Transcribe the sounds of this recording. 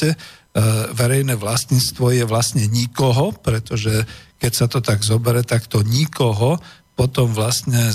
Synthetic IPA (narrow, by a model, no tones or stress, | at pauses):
ɛ | ʋɛɾɛjnɛʋlast̪inst̪ʋɔjɛʋlasɲɛɲikɔɦɔpɾɛt̪ɔʒɛkɛcsat̪ɔt̪aɡzɔbɛɾɛt̪akt̪ɔɲikɔɦɔpɔt̪ɔmʋlast̪ɲɛ